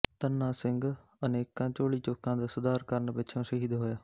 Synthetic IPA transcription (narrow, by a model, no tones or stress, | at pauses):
t̪ənːãːsɪŋɡ | əneːkãːt͡ʃoːɭiːt͡ʃoːkãːd̪aːsʊd̪aːɾkəɾnbɪt͡ʃʰõːʃəɦiːd̪ɦoːjaː